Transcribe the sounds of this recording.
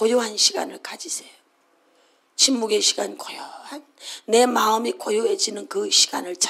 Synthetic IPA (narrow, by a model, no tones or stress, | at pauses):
kojoɦanɕʰiɡa̰nɯɭkad͡ʑisʰejo | t͡ɕʰimːuɡe̞ɕʰiɡankojaanː | e̞maɯmikojoɦed͡ʑinɯnkɯɕʰi̥ɡ̥a̰nɯɭt͡ɕ